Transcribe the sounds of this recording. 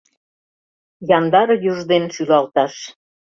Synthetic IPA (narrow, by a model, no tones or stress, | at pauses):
jɑnd̪ɑɾjuʒd̪enʃylɑlt̪ɑʃ